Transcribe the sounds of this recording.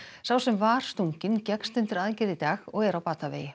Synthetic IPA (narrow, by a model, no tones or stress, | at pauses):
sawsɛmvaːɾ̥st̪uɲcɪncɛkst̪ʏnt̪ɪɾaðcɪɾðɪt̪aːxɔɣɛɾawpaːt̪avḛːjɪ